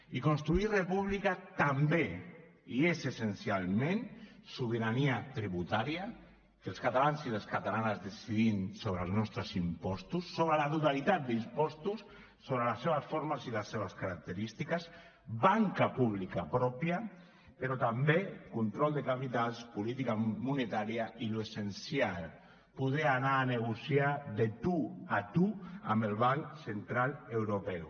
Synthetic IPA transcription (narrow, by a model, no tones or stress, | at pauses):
ikonst̪ɾuirepuβlikat̪ambe | iezesensjalˠmẽnsuβ̞eɾaniat̪ɾiβut̪aɾja | kelskat̪alansiðeskat̪alanazðesiðinsoβɾelˠznɔst̪ɾesimpɔst̪usːoβɾelaðuðalit̪at̪̚d̪impɔst̪usː | oβɾelaseβasfoɾmasilasːeβ̞askaɾak̚t̪eɾist̪ikas | baŋkapuβ̞likapɾɔpja | peɾɔt̪ambekunt̪ɾɔlˠd̪ekapit̪alspulit̪ikamunet̪aɾjailuesensjal | puð̞eanaːneɣ̞usjaðet̪uat̪ua̰melβaŋsent̪ɾalewɾopɛw